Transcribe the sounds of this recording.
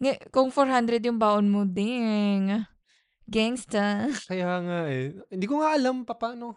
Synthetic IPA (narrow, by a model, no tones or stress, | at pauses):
ŋakʊŋfoɾhand̪ɾɛd̪jʊŋbaːʔonmod̪ɪŋa | ɡɛŋst̪akɐjaŋaʔɛɪnd̪ikoŋaʔɐlampɐpaːno